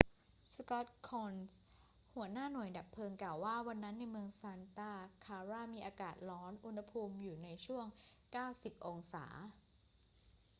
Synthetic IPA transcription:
skɔ˦˥t̪̚kʰoː˧ns | hu˩˦ənaː˥˩nu˨˩əjda˨˩pʰːɤː˧ŋklaː˨˩waː˥˩wa˧nːa˦˥nːa˧jmɯ˧əŋsaː˧nt̪aː˥˩kʰaː˧ɾaː˥˩miː˧ʔaː˧kaː˨˩t̪̚lɔː˦˥nʔu˧nha˧pʰuː˧mjuː˨˩na˧jt͡ɕʰu˥˩əŋkaː˥˩wsi˨˩p̚ʔo˧ŋsa̰ː˩˦

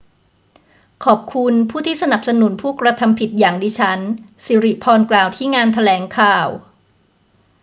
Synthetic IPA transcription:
kʰɔː˨˩p̚kʰu˧npʰuː˥˩t̪ʰiː˥˩sa˧na˨˩p̚sa˧nu˨˩˦npʰuː˥˩kɾa˧t̪ʰa˧mpʰi˨˩t̪̚jaː˨˩ŋdiː˧t͡ɕʰa˦˥nsiː˨˦ɾi˨˩pʰɔː˧nklaː˨˩wt̪ʰiː˥˩ŋaː˧nt̪ʰa˧lɛː˩˦ŋkʰaː˨˩w

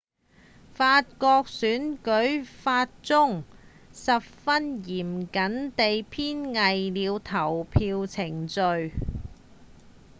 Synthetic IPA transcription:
faː˧t̚kɔː˧k̚syː˨˥nkɵ˨˥ɥfaː˧t̚t͡sʊ˥ŋ | sɐ˨p̚fɐ˥njiː˨˩mkɐ˨˥nt̪e˨jpʰiː˥nŋɐ˨jliː˨˧wt̪ʰɐ˨˩wpʰiː˧wt͡sʰɪ˨˩ŋt͡sɵ˨˧ɥ

